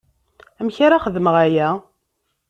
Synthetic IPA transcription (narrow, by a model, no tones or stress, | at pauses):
æmçaɾaχəðməʁæjæ